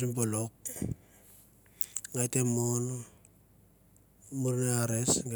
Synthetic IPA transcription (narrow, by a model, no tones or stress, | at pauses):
simbolok̚ | ŋajtemon | muɾneaɾesŋɡ